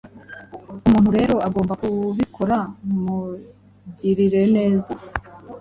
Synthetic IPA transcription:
umuːn̥huɾe̞ːɾo̞ʔaɡo̞ːmbakuβikʰo̞ɾamu | ɟiɾiɾe̞ne̞ːza

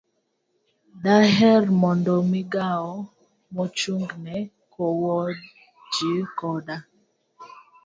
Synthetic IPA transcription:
daɦɛrmɔndɔmiɡaɔ | mɔt͡ʃuŋɡnɛ | kʰɔwɔd | d͡ʒikɔda

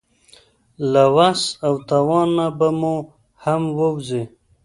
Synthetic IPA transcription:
lawasawt̪awɑnːabamo | hamwəwze

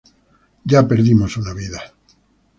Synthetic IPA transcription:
ɟ͡ʝape̞ɾðimo̞sunaβiða

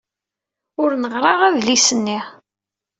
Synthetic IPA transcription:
ʊɾnəʁɾˤɑʁæðlisənːi

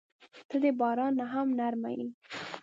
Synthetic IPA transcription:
t̪əd̪ebɑɾɑnːaɦamnaɾma̰ni

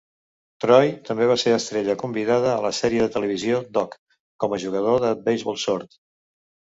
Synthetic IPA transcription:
t̪ɾɔjt̪əmbeβ̞aseəst̪ɾeʎəkumbiðaðəːləsɛɾiəðət̪ələβ̞iziod̪ɔk | kɔməʒuɣ̞əð̞oðəbəjzβɔlˠsoɾt̪

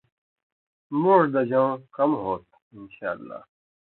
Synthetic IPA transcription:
moːɾd̪ɐd͡ʑãkɐmɦoːt̪̚ | inɕaːlːa̰ː

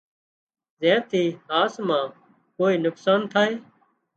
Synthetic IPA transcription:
zɛ̃ːt̪ʰiːaːsmãː | koːiːnʊksaːnt̪ʰaːɦeː

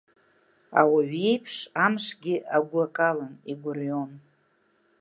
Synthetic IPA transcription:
a̰waɥejpʰʂamʂɡʲɪʔaɡʷakʼalaniɡʷʊrjo̞n

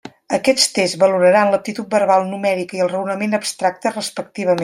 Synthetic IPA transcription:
əkɛt͡st̪ezβəluɾəɾanləp̚t̪it̪ut̪̚bərβalˠnumɛɾikəiəlˠrəwnəmenəpst̪ɾak̚t̪ərəspək̚t̪iβəm

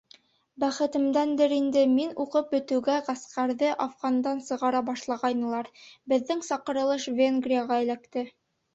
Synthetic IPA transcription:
bæχɘ̆t̪ɘ̆md̪ænd̪ɘɾind̪ɘminuqɤp̚bɵ̆t̪ɘ̆ɡæʁɑsqɑɾðɤʔɑfʁɑnd̪ɑnsɤ̆ʁɑɾɑbɑʃlˠɑʁɑjnɤ̆lˠɑɾbɘ̆ðːɘŋsɑqɤ̆ɾɤ̆lˠɤʃvʲenɡrʲijaʁɑɘ̆lækt̪ɘ

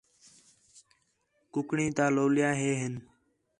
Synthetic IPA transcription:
kʊkɳĩːt̪aːloːljaːɦeːɦɪn

